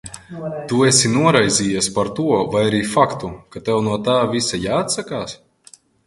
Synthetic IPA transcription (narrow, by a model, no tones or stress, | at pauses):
t̪uɛsinuɔɾajzʲiːjaspaɾt̪uɔvajaɾiːfakt̪ukat̪ɛwnuɔt̪aːvisajaːat̪sakaːs